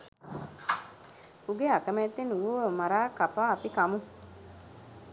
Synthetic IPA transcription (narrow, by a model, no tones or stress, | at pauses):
uɡeakəmet̪ːenuuʋəmaɾaːkːapaːpikamu